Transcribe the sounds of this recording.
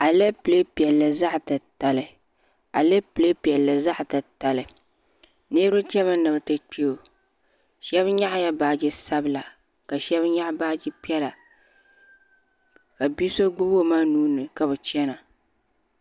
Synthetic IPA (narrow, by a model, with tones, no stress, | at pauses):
a˨le˦ple˦pi˨ɛ˨lːɨ˨za˦ʔtɨ˨ta˨lɨ˨ | a̰˨le˦ple˦pɛ˨lːɨ˨za˦ʔtɨ˨ta˨lɨ˨ | neː˦ɾʊ˦t͡ʃɛ˦βɨ˦nɨ˨bɨ˨tɨ˦k͡pi˦o˨ | ʃɛ˦bɲa˦ʔja˦baː˨d͡ʒɪ˦sa˦bɨ˦˨la˨ | ka˨ʃɛ˦bɲa˦ʔbaː˦d͡ʒɪ˦pi˦ɛ˦la˨ | ka˨bi˦so˦ɡ͡bʊ˦bo˦maː˦nuː˦nɨ˨ka˨bɨ˨t͡ʃɛ˦na˨